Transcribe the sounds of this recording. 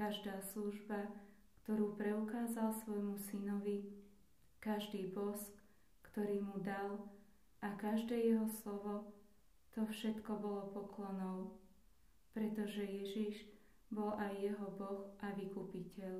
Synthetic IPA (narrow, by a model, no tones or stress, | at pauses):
kaʒd̪aːsluʒba | kt̪ɔɾuːpɾɛukaːzalsʋɔjmusinɔʋi | kaʒd̪iːbɔsk | kt̪ɔɾiːmud̪al | ʔakaʒd̪ɛːjɛɦɔslɔʋɔ | t̪ɔfʃɛt̪kɔbɔlɔpɔklɔnɔʊ | pɾɛt̪ɔʒɛjɛʒiʒ | bɔlajːɛɦɔbɔxʔaʋikupicɛʎ